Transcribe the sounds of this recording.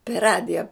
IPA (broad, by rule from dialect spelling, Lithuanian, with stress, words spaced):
pʲɛr ˈrɑːdʲɪjɛ